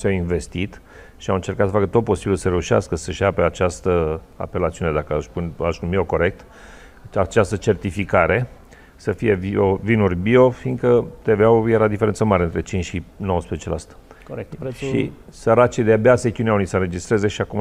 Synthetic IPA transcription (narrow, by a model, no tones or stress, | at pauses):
sawinve̞st̪it̪ | ʃiawɨnt͡ʃe̞rkat̪səfakət̪o̞t̪̚po̞sibilsəɾe̞uʃa̰skəsəʃapeat͡ʃast̪ə | a̰pe̞lat̪siune̞d̪akəaʃpunʲaʃumioko̞ɾe̞k̚t̪ | at͡ʃast̪ət͡ʃe̞rt̪ifikaɾe̞ | səfije̞viovinurʲbio̞fiŋɡkət̪eveawjeɾad̪ifeɾensəmaɾeɨnt̪ɾe̞t͡ʃint͡ʃʲʃinowəspɾezet͡ʃela̰st̪ə̥ | ʃḭsəɾat͡ʃid̪eabeaset̪iuneaunisənɾe̞d͡ʒist̪ɾeze̞ʃiakum